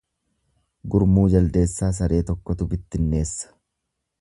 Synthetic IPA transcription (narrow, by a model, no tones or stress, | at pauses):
ɡʊɾmuːd͡ʒɐld̪e̞ːsːaːs̬ɐɾʔe̞ːt̪ɔkːɔt̪ʊbɪt̪ːɪnːe̞ːsːɐ̥